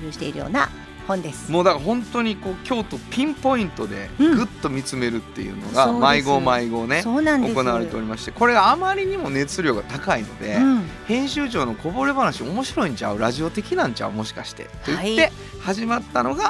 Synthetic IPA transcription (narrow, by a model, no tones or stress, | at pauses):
ɯɕi̥t̪e̞̰iɾɯ̟jo̰ːna̰ | hõnd̪esɨ̥moːd̪akaɦõ̞nt̪o̞ɲ̟iko̞ːkʲo̞ːt̪o̞pʲĩmpo̞ĩnt̪o̞d̪e̞̰ɡɯ̟t̪ːo̞mʲit͡sɨme̞ɾɯ̟t̪ːe̞̰jɯ̰ːno̰ɡamaiɡo̞ːmaiɡo̞ːne̞oːnãno̞ko̞naβaɾe̞t̪e̞o̞ɾimaɕi̥t̪e̞ko̞ɾe̞ɡaːmaɾʲiɲ̟imo̞ne̞t͡sɨɾʲo̞ːɡat̪akaino̞̰d̪e̞hẽ̞ɰ̃ɕɨːʑo̞ːno̞ko̞bo̞ɾebanaɕio̞mo̞ɕiɾo̞ĩɲ̟t͡ɕa̰ɯ̟ɾaʑio̞t̪e̞kʲinãɲ̟t͡ɕa̰ɯ̟mo̞ɕi̥kaɕi̥t̪e̞̰t̪ːoit̪ːe | haʑimat̪ːano̞ɡa